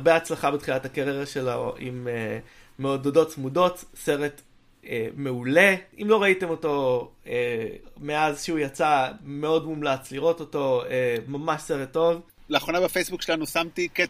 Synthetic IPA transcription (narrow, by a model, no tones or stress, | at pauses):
ʁbeat͡slaχabet̪χilatakeʁeʁeʃelaḭmeː | eododo̞tsmudo̞tse̞ʁe̞t | eme̞ule̞imlo̞ʁaite̞mo̞to̞emeazʃeujat͡same̞o̞dmumlat͡sliʁo̞to̞to̞emamaʃse̞ʁet̪ːo̞v | leːχonabefejsbukʃelanusamt̪ike